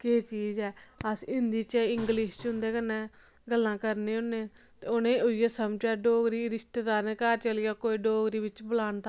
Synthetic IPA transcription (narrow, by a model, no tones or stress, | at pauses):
keːt͡ʃiːzɦɛːəsɪnd̪iːt͡ʃɪŋɡlɪʃt͡ʃɦʊ̃nd̪eːkənːẽː | ɡəlːãːkəɾnẽːʊnːẽː | t̪eʊnẽːʊɪjeːsəmt͡ʃaːɖoːɡɾiːɾɪsʈeːd̪aːɾnẽːkəɾt͡ʃəlɪjaːkoːiːɖoːɡɾiːbɪt͡ʃbəlaːnt̪ʰaː